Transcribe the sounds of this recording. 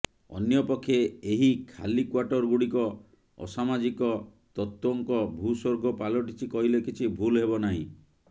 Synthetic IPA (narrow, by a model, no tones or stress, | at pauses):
ɔ̰njɔpɔkʰːjeeɦikʰa̰likwaʈɔɾɡuɽikɔ | ɔ̰samad͡ʒikɔ | t̪ɔt̪wɔŋkɔbʱusoɾɡɔpalɔʈit͡ʃʰikɔɦilekit͡ʃʰibʱulɦebɔnaɦḭ̃